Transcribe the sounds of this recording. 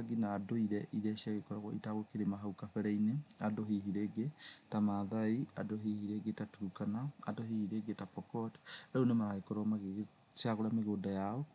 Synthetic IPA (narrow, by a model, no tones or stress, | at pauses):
ɡinaːdoiɾɛʔiɾɛɕiaɣekɔɾaɣɔḭtaɣokeɾemaɦaukafɛɾɛineadoɦihiɾeːɡetamaðaiadoɦihiɾeɡetatukanaa̰doɦihiɾeɡetapɔkɔtɾaonemaɾaɣekɔɾmaɣeɣ | sjaɣoɾameɣoːdajaɔ